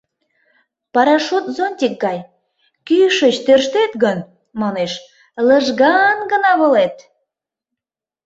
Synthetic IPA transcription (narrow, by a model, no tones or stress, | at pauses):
pɑɾɑʃot̪zonʲtʲik̚ɡɑj | kyʃət͡ɕt̪ørʃt̪et̪ɣən | mɑneʃ | ləʒɣɑnɡə̆nɑβə̆let̪